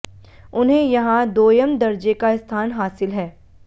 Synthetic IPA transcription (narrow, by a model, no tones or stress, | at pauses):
ʊnɦẽjɐɦãd̪oːjəmd̪ɐɾd͡ʒekaɪst̪ʰaːnɦaːsɪlɦɛː